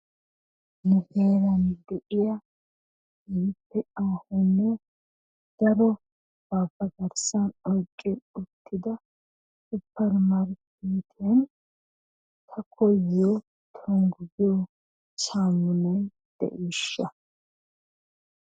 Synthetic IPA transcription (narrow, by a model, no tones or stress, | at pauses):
nʊheːɾɐnd̪ɛʔɪjɐ | ɪɪpːɛʔaːhɔnːɛ | d̪̥ɐɾɔ | b̥aːbɐbɐɾsɐnɔjkʼːɛʊt̪ːɪd̪ɐ | sʊpːɛɾmaɾk | eːt̪ʰen | t̪ʰɐkʰɔjːo | t̪ʰɔŋɡjoː | t͡ʃaːmːʊne | d̪̥ɛ̰ʔiːʃːɐ